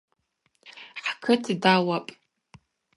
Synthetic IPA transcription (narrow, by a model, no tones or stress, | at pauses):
ħkʰɨtʰdawapʼ